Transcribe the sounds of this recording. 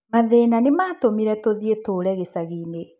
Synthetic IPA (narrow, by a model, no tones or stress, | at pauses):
maðeːnanemaːtomiɾɛtoðietoːɾɛɣesaɣine